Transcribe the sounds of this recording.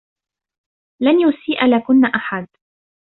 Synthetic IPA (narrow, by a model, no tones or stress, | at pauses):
lanjʊsiːʔalaːkʊnːaʔaħad̪̚